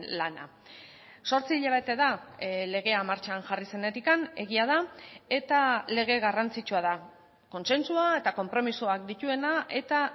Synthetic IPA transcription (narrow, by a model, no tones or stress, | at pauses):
lana̰ | so̞ɾt͡siʎeβet̪e̞ðale̞ɣ̞e̞amaɾt͡ʃanʝarise̞ne̞t̪ikane̞ɣ̞iað̞ae̞t̪ale̞ɣ̞e̞ɣarant͡sit͡ʃuað̞a | ko̞nse̞nsuae̞t̪ako̞mpɾo̞misoak̚d̪it̪ue̞naʔe̞t̪a